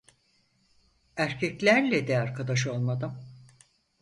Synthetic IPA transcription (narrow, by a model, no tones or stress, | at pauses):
æɾcʰɛclʲæɾlʲɛd̪ɛaɾkʰad̪aʃ̬o̞lˠmad̪ɯm